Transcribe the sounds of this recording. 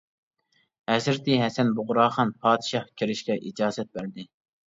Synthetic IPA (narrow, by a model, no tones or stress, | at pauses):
hɛzɾɪt̪ʰɪɦɛsɛnbʊʁʊɾɑːχɑnpʰɑːd̪ɪʃɑhkʲʰeɾɪʃkʲɛʔid͡ʒɑːzɛt̪̚bæɾd̪ɪ